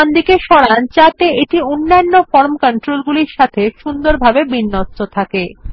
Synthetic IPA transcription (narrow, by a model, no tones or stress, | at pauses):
and̪ikeʃɔɽant͡ɕat̪eeʈionːanːofɔɾmkɔɳʈɾolɡuliɾʃat̪ʰeʃund̪oɾbʱabebinːostot̪ʰake